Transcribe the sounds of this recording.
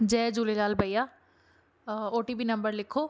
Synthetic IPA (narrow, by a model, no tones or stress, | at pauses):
d͡ʒɛːd͡ʒulelaːlbəja | oːʈibinɐ̃mbəɾlɪkʰːoː